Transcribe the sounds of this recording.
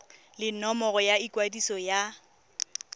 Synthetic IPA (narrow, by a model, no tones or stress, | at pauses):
lɪnɔmɔɣɔjaikʼwadisɔja